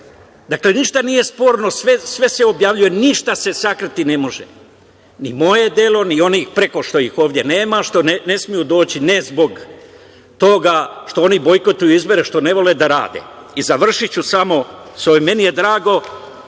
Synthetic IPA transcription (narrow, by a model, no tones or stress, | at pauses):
d̪akle̞niʃt̪anije̞spo̞ːɾno̞sʋesʋe̞se̞o̞bjaːʋʎuje̞niʃt̪ase̞sakɾat̪ine̞mo̞ʒe | nimo̞je̞d̪e̞lo̞nio̞niːxpɾe̞ko̞ʃt̪o̞jixo̞ːʋd̪jene̞ːmaʃt̪o̞nene̞smijud̪o̞ːt͡ɕine̞zbo̞ɡ | t̪o̞ɡaʃt̪o̞o̞nibo̞jko̞t̪ujuizbo̞ɾeʃt̪o̞ne̞ʋo̞led̪aɾa̰ːd̪ḛizaʋr̩ʃit͡ɕusamo̞soeme̞nijed̪ɾaːɡo̞